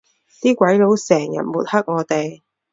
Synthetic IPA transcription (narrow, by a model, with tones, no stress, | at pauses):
t̪iː˥kwɐ˨˥jlo˨˥wsɛː˨˩ŋjɐ̰˨˩t̚muː˨˩t̚hɐ˥k̚ŋɔː˨˧t̪e˨j